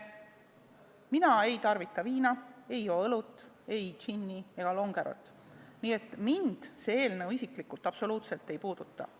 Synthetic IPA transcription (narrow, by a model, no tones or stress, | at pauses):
minɑe̞jt̪ɑrvit̪ˑːɑviːnɑe̞jo̞ːɤlut̪ːˑ | e̞jt͡ʃinːie̞ɡ̥ɑlo̞ŋɡ̥e̞ɾo̰t̪ːˑ | niːe̞t̪ːˑmind̪̥se̞ːeːlnewisiklikult̪ːˑɑpso̞luːt̪se̞lt̪ːˑe̞jpuːd̪̥ut̪ˑːɑ̰